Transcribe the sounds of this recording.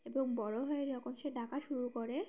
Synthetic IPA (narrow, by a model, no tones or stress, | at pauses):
eboŋbɔɽoɦɔed͡ʑɔkʰonʃeɖʱakaʃuɾukoɾe